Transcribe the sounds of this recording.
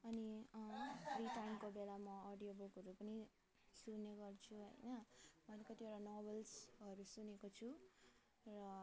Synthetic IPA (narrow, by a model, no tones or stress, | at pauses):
ʌni | riʈajmkobelamʌʌɖijoboɡʌɾupʌni | sunːeɡʌrt͡sʰuɦʌ̰jnʌmʌnekʌt̪ieɽanɔbʌlsʌɾusunekot͡sʰu | rʌ